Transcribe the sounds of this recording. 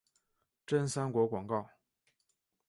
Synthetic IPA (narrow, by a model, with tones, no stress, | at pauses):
ʈ͡ʂə˥˩nsa˥nkwɔ˧˥kwɑ˨˩ŋkɑ˥˩ʊ